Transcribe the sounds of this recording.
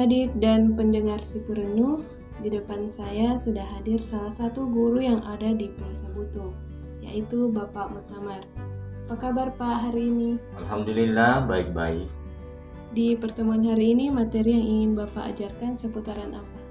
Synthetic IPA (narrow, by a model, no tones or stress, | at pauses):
adɪk̚danpəndəŋarsipuɾənu | didəpansajasudaɦadɪrsalahsat̪uɡuɾujaŋʔadadipiasabut̪uŋ | ja̰ʔit̪ubapamut̪amar | pakabarpaɦaɾiːnialɦamdulilahbaɪk̚ba̰ɪ̰k̚ | dipərt̪əmuanɦaɾiːnimat̪eɾijaŋiŋɪnbapa̰ʔːd͡ʒarkansəput̪aɾanʔapa